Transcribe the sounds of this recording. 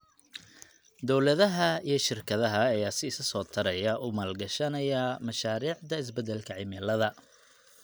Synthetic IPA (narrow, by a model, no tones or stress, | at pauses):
d̪ɔwlɐðɐɦɐijɞʃɪrkʰɐðɐɦɐːjaːsɪɪsɐsɔːt̪ʰɐɾɐjɐʔʊmaːlɡɐʃɐnɐjɐmɐʃaːɾiːʕd̪ɐɪs̬bɛd̪ɛlkʰɐʕɪmɛlɐðɐ